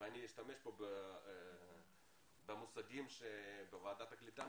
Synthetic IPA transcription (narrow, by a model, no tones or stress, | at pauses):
anʲijiʃt̪ameʃpobe | bemusaɡimʃebevaːd̪at̪aklit̪a